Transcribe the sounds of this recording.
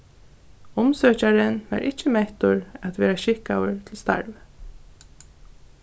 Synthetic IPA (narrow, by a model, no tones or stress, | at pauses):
ʊmsœːcaɾənʋa̰ɾʔɪcːəmɛht̪ʊɹat̪ʋɛːɾaɕɪkawʏɹt̪ʰɪlst̪a̰ɹv